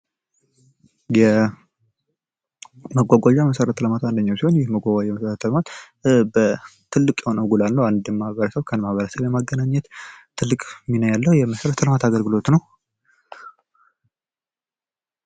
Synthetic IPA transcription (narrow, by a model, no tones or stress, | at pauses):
jɛ | məɡʷaɡʷaʒaməsəɾət̪ʰːələmat̪and̪əɲːawsihoɲjɪhməɡʷaɡʷad͡ʒaməsəɾət̪ʰːəlmat̪ | bət̪ʰɨlːɨkʼjɛho̞nəwɡulalnəwand̪mːahβəɾəsəβkʰənmahβəɾəsəβjɛmaɡːənaɲːɛt̪t̪ʰːɨlːɨkʼminəwjalːəhujɛməsəɾət̪ʰələmat̪ʰaɡəlɡɨlo̞t̪nəw